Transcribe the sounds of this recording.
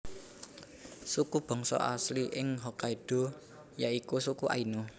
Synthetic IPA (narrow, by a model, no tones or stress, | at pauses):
sukub̥ɔ̤ŋsɔ̰ʔa̰sliʔɪŋɦokaiɖ̥ɔ̤ | jaikusukuʔa̰ino